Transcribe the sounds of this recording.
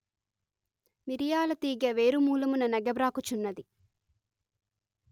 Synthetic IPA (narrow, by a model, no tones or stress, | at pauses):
miɾijaːlɐt̪iːɡɐʋe̞ːɾumuːlɐmunɐnɐɡɐbɾaːkut͡ʃunːɐd̪i